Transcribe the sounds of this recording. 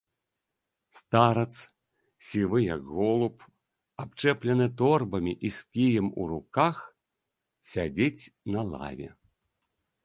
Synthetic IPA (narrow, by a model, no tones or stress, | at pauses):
st̪aɾɐt̪s | sʲivɨjɐɡɣɔlˠup | apt͡ʂɛplʲɛnɨt̪ɔrbɐmʲiʔiskʲijɐmṵɾukax | sʲad͡zʲet͡sʲnɐlˠa̰vʲɛ̰